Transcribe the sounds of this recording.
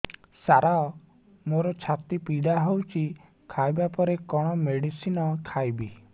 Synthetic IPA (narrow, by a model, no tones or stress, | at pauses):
saɾaɔ | moɾɔt͡ʃʰat̪ipiɽaɦowt͡ʃʰi | kʰajbapɔɾekɔɽ̃ɔmeɽisinɔkʰajbi